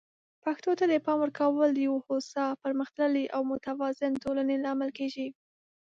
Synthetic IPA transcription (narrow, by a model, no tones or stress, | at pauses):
paxt̪ot̪ad̪əpɑmwəɾkʰawəld̪əjawohosɑpəɾməxt̪ləliʔawmʊt̪awɑzɪntolanelɑmalkeʒi